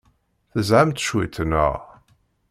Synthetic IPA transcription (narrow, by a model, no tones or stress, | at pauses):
θəzʕamt̪ʃwit̪ʰənə̰ʁ